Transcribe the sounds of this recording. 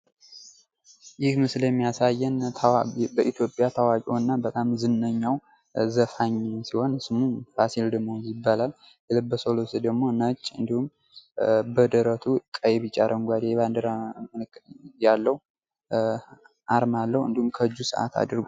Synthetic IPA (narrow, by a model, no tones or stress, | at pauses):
jɪhmɨsljɛmːijasajːɛnʰbəʔit̪ʰjo̞pʼjat̪ʰawakʼonːabət̪ʼamzɨnːəɲːaw | zəfaɲsiho̞nsɨmufasild̪əɡmo̞jɪbːalal | jɛləbːəsolosed̪əɡmo̞nət͡ʃʼːɨnd̪ihum | bəd̪əɾət̪ʰukʼːəjɛβit͡ʃʼaɾʔəŋɡʷad̪eɛβand̪əɾaɨkʼjalːəhu | ʔaɾmalːəhwɨ̰nd̪ihumkʰəɨd͡ʒːusɨ̰ʔa̰t̪ʰa̰d̪ɨɾɡo